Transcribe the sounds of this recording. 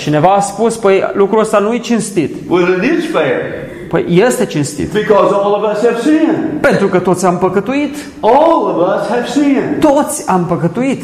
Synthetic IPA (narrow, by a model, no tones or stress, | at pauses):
t͡ʃine̞vaːspuspəjlukɾuəst̪anujet͡ʃinst̪it̪wɪðɨ̃nɪt͡ʃfeɪɹ | pə̰jjest̪e̞t͡ʃinst̪ḭt̪b̥ɨkɔzɔlˠʌvʌshɨv̥sĩnpe̞nt̪ɾukət̪o̞t̪sʲampəkət̪uit̪ | ɔlˠʌvʌshɨv̥sĩnt̪o̞t̪sʲampəkət̪uit̪